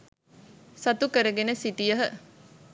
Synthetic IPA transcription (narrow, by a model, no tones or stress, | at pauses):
sɐt̪ukəɾəɡenəsit̪ijəɦə